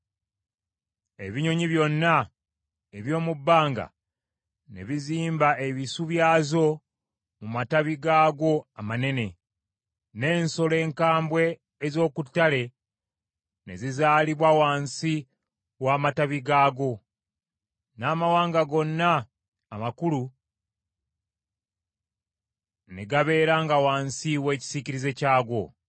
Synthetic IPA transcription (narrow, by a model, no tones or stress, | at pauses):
e̞̰βiɲo̞ɲiβjo̞nːa | eβjo̞ːmubːaːŋɡa̰ | nḛβiziːmbaʔe̞βisuβjaːzo̞ | mumataβiɡaːɡo̞amane̞ne̞ | ne̞ːnso̞le̞ːŋkaːmbwe̞ː | zo̞ːkutːale̞ | ne̞̰zizaːliβwawaːnsi | waːmataβiɡaːɡo̞ | naːmawaːŋɡaɡo̞nːaː | makulu | ne̞ɡaβe̞ːɾaːŋɡawaːnsiwe̞ːci̥siciɾize̞caːɡo̞